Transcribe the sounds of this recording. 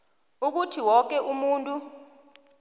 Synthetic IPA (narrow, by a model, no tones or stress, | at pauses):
uk̬utʰiwɔk̬ɛʔumuːntʼu